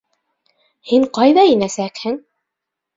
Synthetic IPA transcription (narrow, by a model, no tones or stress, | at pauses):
hiɴqɑjðɑinæsækhɘŋ